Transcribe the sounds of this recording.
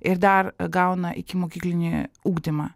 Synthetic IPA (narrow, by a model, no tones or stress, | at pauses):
ɪɾd̪ɐɾɡɑʊnɐʔɪ̰kʲɪmoːkʲiːklʲɪnʲɪuːɡd̪ʲɪmɐ̰